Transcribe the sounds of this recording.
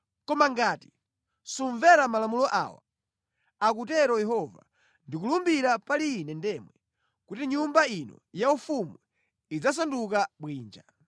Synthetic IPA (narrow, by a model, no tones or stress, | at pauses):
kɔmaŋɡaːti̥ | suɱvɛɾamalamulɔʔa̰wa̰ | ak̬ut̬ɛɾɔjɛɦɔva̰ | ndik̬ulumbiɾapaliːnɛndɛmwɛ | kutiɲumbainɔ̰jaufumwɛ | id͡zas̬anduk̬aɓwiːnd͡ʒa